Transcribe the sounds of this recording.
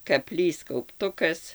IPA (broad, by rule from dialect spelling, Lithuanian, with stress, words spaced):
kɐˈpʲlʲiːs kɐʊpˈtʊkɐs